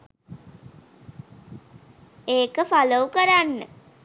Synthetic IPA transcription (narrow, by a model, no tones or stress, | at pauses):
eːkəfaləukəɾanːə